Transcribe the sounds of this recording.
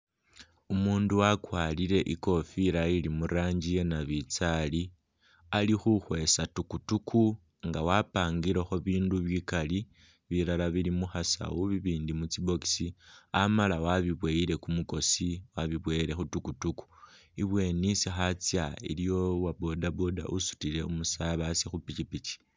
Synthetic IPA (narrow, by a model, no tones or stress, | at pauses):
umuːnduwakwaːliɾe̞ʔiko̞fiɾailimuɾaːɲɟije̞naβit͡sali | alixuxwe̞satukutukʰu | ŋɡawapaːŋɡiɾexo̞βiːnduβjikali | βiɾalaβilimuxasa̰wuβiβiːndimut͡sibo̞ki̥siamalawaβiβwe̞iɾe̞kumuko̞siwaβiβwe̞ːɾe̞xutukutuku̥ | iβwe̞nisixat͡sjaḭlijo̞wabo̞daboda̰ʔusu̥tile̞umusaβasixupit͡ʃipit͡ʃi̥